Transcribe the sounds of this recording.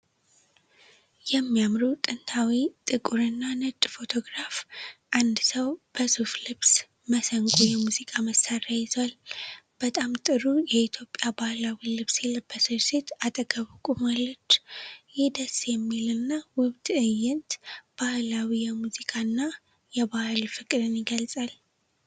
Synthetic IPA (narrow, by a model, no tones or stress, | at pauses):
jɛmːijamɾut̪ʼɨnt̪ʰawit̪ʼɨkʼuɾɨnːanɨt̪ʼfo̞t̪ʰo̞ɡɾafʔand̪səwb̥əzuflɨβs | məsəŋkʼujɛmuzikʼaməsːarajɪzwalb̥ət̪ʼamt̪ʼɨɾujɛit̪ʰjo̞pʼːjabahlawilɨβsjɛləbːəsɨɾset̪at̪ʼəɡəβɨkʼumalːɨt͡ʃːjɪd̪əsjɛmːilɨnːawʊβt̪ʼɨjɪnt̪b̥ahlawijɛmuzikʼanːa | jɛbahlfɨkʼɨd̪ɨnjɪɡəlsʼal